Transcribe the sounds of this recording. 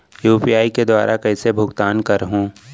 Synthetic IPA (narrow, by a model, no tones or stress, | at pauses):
juːpijaːiked̪wa̰ːɾʔakɛːsebʱʊɡt̪aːnkɐɾɦũː